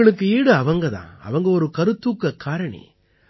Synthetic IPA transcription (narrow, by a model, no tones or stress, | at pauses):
ɐɭɯkːɯiːɽɯɐʋɐŋɡɐðã̰ːɐ̰ʋɐŋɡɐɔɾɯkɐɾɯt̪ːuːkːɐkaːɾɐɳḭ